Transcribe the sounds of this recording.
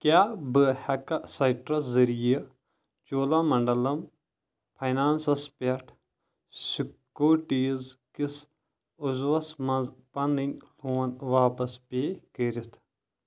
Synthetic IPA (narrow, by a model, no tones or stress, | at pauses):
kjaːbɨhɐkɐsɐjʈɾɐzɐɾijɐ | t͡ʃoːlɐmɐɳɖɐlɐm | pʰɐjnaːnsɐspeʈʰ | sikː | oːʈiːzkis | uzʋɐsmɐzpɐninʲluːɐnʋaːpɐspekeɾit̪ʰ